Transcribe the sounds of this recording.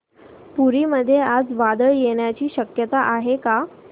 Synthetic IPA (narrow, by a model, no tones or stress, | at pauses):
puɾiːməd̪ʱːjead͡zʋad̪əɭjeɽjat͡ɕiːɕəkjət̪aʔaɦeka